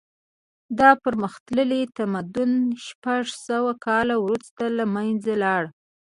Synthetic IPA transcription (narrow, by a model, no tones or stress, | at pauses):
d̪ɑpəɾməxt̪ləlet̪amad̪ʊnʃpaʐsəwakɑlawɾust̪alamajnzalɑɽ